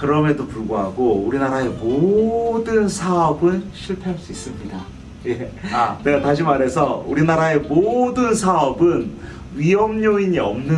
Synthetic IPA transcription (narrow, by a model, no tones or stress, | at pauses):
kɯɾʌmedopuɭɡoɦaɡouɾinaɾae̞modɯnsʰaʌbɯnɕʰiɭpʰeɦaɭs͈uis͈ɯmɲida | je̞neɡataɕ̬ʰimaɾɦe̞sʰʌuɾinaɾae̞modɯnsʰaʌbɯn | ɥiɦʌmɲoiɲiʌmnɯ